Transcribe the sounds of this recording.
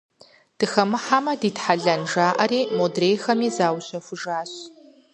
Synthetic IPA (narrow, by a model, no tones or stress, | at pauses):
d̥ɨxɐmɨħamɐdiːtħaɮɐnʐaːʔɐɾiːmodrejxɐmiːzaːwɕɐfʷʊʐaːɕ